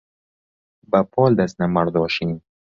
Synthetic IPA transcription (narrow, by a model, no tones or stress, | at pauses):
bapʰɔːld̪asnamaɾd̪ɔʃin